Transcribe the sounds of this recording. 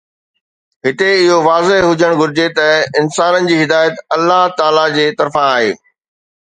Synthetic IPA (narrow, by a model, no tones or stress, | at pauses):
ɦɪt̪eɪɦoʋaːzeɦɦʊd͡ʑəɽ̃ɡʱʊɾɪd͡ʑet̪ɐɪnsaːnənɪ̆d͡ʑiːɦɪd̪aːjət̪ɐlːaɦt̪aːlad͡ʑeːt̪ɐɾfãaːɦḛː